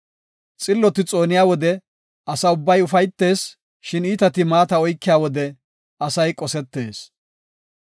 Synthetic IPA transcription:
t͡sʼɪlːɔt̪ɪt͡sʼo̞ːnɪjaːwɔd̪ɛ | ɐsɐʊbːɐjʊfɐjt̪ːe̞ːs | ʃɪniːt̪ɐt̪ɪmaːt̪ɐɔjkːɪjaːwɔd̪ɛ | ɐsɐjkʼɔsɛt̪ːe̞ːs

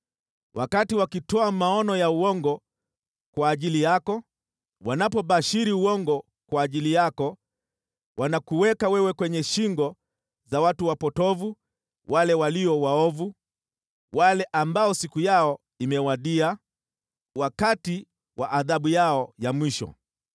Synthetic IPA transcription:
wʔakatiwakitɔamaɔnɔjauɔŋɡɔ | kwaːʄilijakɔ | wanapɔɓaʃiɾiuɔŋɡɔ | kwaːʄilijakɔ | wanakuwɛkawɛwɛkwɛɲɛʃiŋɡɔ | zawatuwapɔtɔvu | walɛwaliɔwaɔvu | walɛʔambaɔsikujaɔ | imɛwaɗia | wakati | wa̰ʔaðaɓujaɔjamwiʃɔ̰

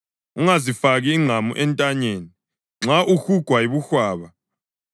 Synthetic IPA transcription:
uŋazifaɣiːŋ͡ǁʱamṵʔɛntʼaɲeːni | ŋ͡ǁʱaʔuxuɡ̥ʱwajiβuxwaːβa

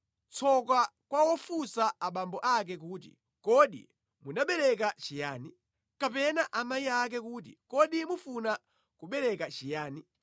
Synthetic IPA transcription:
t͡sʰɔk̬akwawɔfusaaɓambɔʔak̬ɛkuːt̬ḭ | kɔɗḭ | munaɓɛɾɛk̬at͡ʃijaːni | kapɛnaʔamajiak̬ɛk̬ut̬ḭkɔɗimufuna | kuɓɛɾɛkat͡ʃijaːni

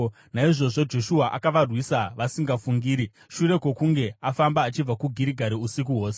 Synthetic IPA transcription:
naiʐo̞ʐo̞d͡ʒo̞ʃuaʔakaʋarwisaʋasiŋɡafuŋɡiːɾi | ʃuɾe̞kwo̞kuŋɡe̞afambaːt͡ʃib͡vakuɡʱiɾiɡʱaɾiusik̬uɦo̞ːse

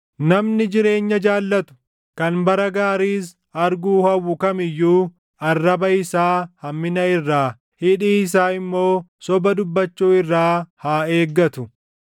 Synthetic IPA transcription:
nɐmnɪd͡ʒɪɾe̞ːɲːɐd͡ʒaːlːɐt̪ʊ̥ | kɐnbɐɾɐɡaːɾiːs̬ | ɐɾɡuːhɐwːʊkɐmɪjːuː | ɐrːɐbɐɪsaːhɐmːɪnɐɪrːaː | hɪᶑiːɪs̬aːɪmːo̞ːsɔbɐd̪ʊbːɐt͡ʃːuːɪrːaːhaːe̞ːɡːɐt̪ʊ

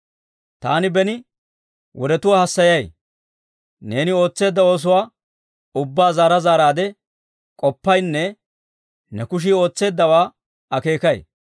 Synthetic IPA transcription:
t̪a̰ːnɪbɛnɪ | wʔɔɾɛt̪ʊwaːhɐsːɐjɐj | ne̞ːnɪo̞ːt͡sːe̞ːd̪ːɐo̞ːs̬ʊwaː | ʊbːaːzaːɾɐzaːɾaːd̪ɛ | kʼɔpːɐjnːɛ | nɛkʊʃ̬ɪo̞ːt͡sːe̞ːd̪ːɐwaː | ɐke̞ːkɐj

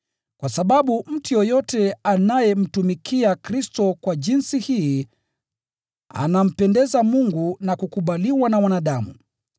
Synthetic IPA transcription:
kwʔasaɓaɓum̩tijɔjɔtɛanajɛm̩tumikʰiakɾistɔkwaʄinsihiː | a̰nam̩pɛndɛzamuŋɡunakukuɓaliwanawanaɗamṵ

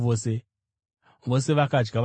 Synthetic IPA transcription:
ʋose | ʋoseʋakad͡ʒɡaʋ

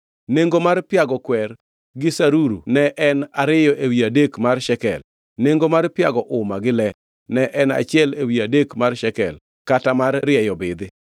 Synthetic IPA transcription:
neŋɡomarpɪjaɡɔkwɛr | ɡɪsaɾuɾunɛʔɛnaɾɪjɔʔewiadekmarʃɛkɛ̰l | neŋɡomarpɪaɡɔʔʊmaɡɪlɛ | nɛʔɛna̰t͡ʃɪɛlewiadekmarʃɛkɛ̰l | katamarːɪjɛjɔbɪd̪ɪ

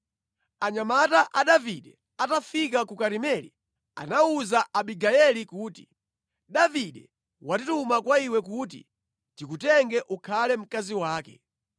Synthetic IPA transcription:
aɲamataʔaɗaviɗɛ | atafik̬akukaɾimɛlḭ | a̰nauzaʔaɓiɡaɛlikuːti̥ | ɗaviɗɛ | watitumakwaiwɛk̬ut̬ḭ | tikutɛŋɡɛʔukʰalɛm̩kaziwaːkɛ̰

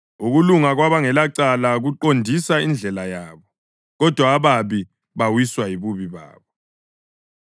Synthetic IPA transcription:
uɣuluŋaɣwaβaŋɛlaǀalaɣuǃondʱisaind͡ɮʱɛlajaːβɔ | ɣɔd̥ʱwaːβaβi | βawiswajiβuβiβa̰ːβɔ

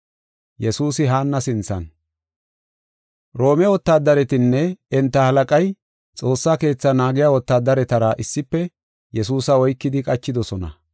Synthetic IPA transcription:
jɛsuːsɪɦaːnːɐsɪnt͡sːɐ̰n | ɾo̞ːmɛwɔt̪ːaːd̪ːɐɾɛt̪ɪnːɛɛnt̪ːɐhɐlɐkʼɐj | t͡sʼo̞ːsːaːke̞ːt͡sːɐnaːɡɪjaːwɔt̪ːaːd̪ːɐɾɛt̪ɐɾɐʔɪsːɪpːɛ | jɛsuːsɐɔjkːɪd̪ɪkʼɐt͡ʃːɪd̪ɔsɔnɐ̰

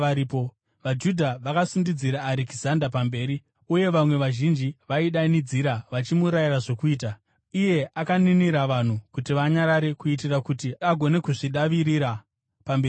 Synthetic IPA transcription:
aɾipo | ʋad͡ʒudʱaʋakasundid͡ziɾaːɾekizandapambe̞ːɾi | uje̞ʋamwe̞ʋaʒind͡ʒiʋaiɗanid͡ziɾaʋat͡ʃimuɾajiraʐo̞kuiːta | ije̞ʔakaniniɾaʋan̤ukutiʋaɲaɾaɾe̞kuitirakutiaɡʱo̞ne̞kuʐiɗaʋiɾiɾa | pambei

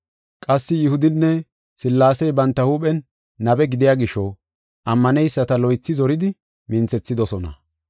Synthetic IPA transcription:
kʼɐsːɪjɪhʊd̪ɪnːɛ | sɪlːaːsɛjbɐnt̪ːɐhuːɓʼɛnː | ɐbɛɡɪd̪ɪjaːɡɪʃɔ | ʔɐmːɐnɛjsːɐt̪ɐlɔjt͡sːɪzɔɾɪd̪ɪ | mɪnt͡sɛt͡sːɪd̪ɔsɔnɐ̰

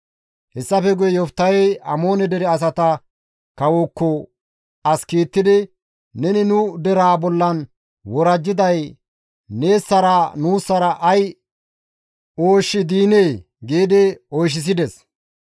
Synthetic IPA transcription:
hɛsːɐfɛɡʊjɛjɔft̪ːɐjɛjʔɐmo̞ːnɛd̪ɛɾɛɐs̬ɐt̪ɐ | kɐwokːɔ | ɐskiːt̪ːɪd̪ɪ | nɛnɪnʊd̪ɛɾaːbɔlːɐn | wɔɾɐd͡ʒːɪd̪ɐj | neːsːɐɾanuːsːɐɾɐʔɐj | oːʃːɪd̪iːneː | ɡeːd̪ɛojʃ̬ːɪs̬ɪd̪ɛs

